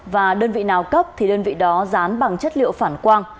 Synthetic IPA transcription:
vaː˨˩ɗəː˧nvḭ˧˨naː˨˩wkə˦˥p̚t̪ʰi˨˩ɗəː˧nvḭ˧˨ɗɔ˨˦zaː˨˦mɓa˨˩ŋt͡ɕə˦˥t̚lḭ˧˨əwfaː˧˩nkwaː˧n

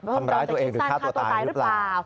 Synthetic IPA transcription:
a˧mɾaː˦jt̪u˧ɐʔeː˧ŋɾɯː˩˧˦kʰaː˥˩t̪u˧aː˧ɾɯ˦ɯ˦˥plaː˨˩˧

